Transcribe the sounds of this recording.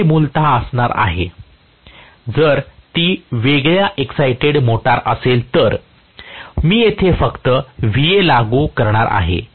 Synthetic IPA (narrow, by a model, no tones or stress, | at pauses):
muːlt̪aəsɳ̃aɾa̰ɦe | d͡zəɾt̪iːʋeɡɭjaʔeksajʈeɽmoʈaɾəselt̪əɾ | miːjet̪ʰefəkt̪əʋijelaɡuːkəɾɳaɾʔa̰ɦḛ